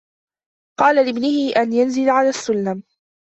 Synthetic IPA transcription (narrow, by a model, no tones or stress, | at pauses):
qɑːlalɪbnɪhɪʔanjanzɪlaʕalaːsːʊlːam